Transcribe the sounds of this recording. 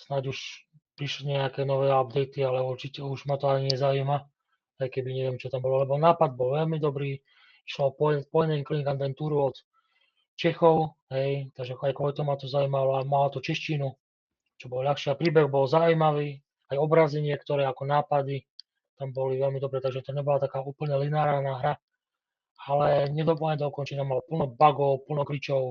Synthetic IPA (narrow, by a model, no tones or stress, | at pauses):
snaɟuʃ | pɾiʃliɲɛakɛːnɔʋɛːab̚d̪ɛjt̪ialɛuɾt͡ʃicɛuʒmat̪ɔaɲiɲɛzaiːma | ajkɛbiɲɛʋɪɛmt͡ʃɔt̪ambɔlɔlɛbɔnaːpad̪̚bɔlʋɛʎmid̪ɔbɾiː | i̥ʃlɔɔpɔpɔjɛɲɛɲkliŋɡad̪ʋɛnt̪uːɾuɔt̪ | t͡ʃɛxɔʊɦɛjt̪aɡʒɛajkɔlit̪ɔmat̪ɔzaujmalɔamalat̪ɔt͡ʃɛʃcinu | t͡ʃɔbɔlʎaxʃɪapɾiːbɛɣbɔlzaujmaʋiː | ajɔbɾaːzɛɲɪɛkt̪ɔɾɛːakɔnaːpad̪i | t̪ambɔliʋɛlmid̪ɔbɾɛːt̪aɡʒɛt̪ɔɲɛbɔlat̪akaːuːpl̩ɲɛlinaːɾanaːɦɾa | alɛɲɛd̪ɔplɲɛd̪ɔkɔnt͡ʃɛɲamalpl̩nɔbaɡɔʊpl̩nɔkɾit͡ʃɔʊ